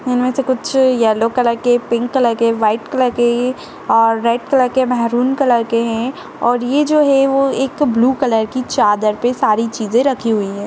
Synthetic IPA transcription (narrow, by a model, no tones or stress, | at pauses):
ɪnmẽsekʊt͡ʃʰjɛːlokɐləɾkepɪ̃ŋkːɐləɾkeʋaːɪʈkɐləɾke | ɔːɾːɛːʈ̚kɐləɾkemɛɦɾuːnkɐləɾkeɦɛ̃ | ɔːɾjed͡ʒoːɦɛʋoeːkbluːkɐləɾkit͡ʃaːd̪əɾpesaːɾit͡ʃiːzẽɾɐkʰiɦʊiɦɛ̃ː